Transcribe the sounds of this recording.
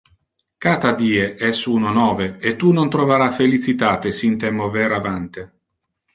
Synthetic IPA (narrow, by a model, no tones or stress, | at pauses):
kaːt̪ad̪iːeʔɛsunonɔːveet̪ːunont̪ɾoveɾafelit͡ʃit̪aːt̪esint̪ɛmovɛːɾavant̪e